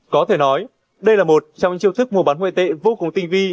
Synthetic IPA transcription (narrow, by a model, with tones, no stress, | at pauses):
kɔ˨˦t̪ʰe˧˩nɔ˨˦j | ɗə˧jlaː˨˩mo˨˩t̚t͡ɕɔ˧wŋ͡mt͡ɕḭ˧əwt̪ʰɨ˦˥k̚mu˨˩əɓaː˨˦nwḛ˧˨t̪ḛ˧˨vo˧kʊ˨˩ŋ͡mt̪ï˧ŋ̟vi˧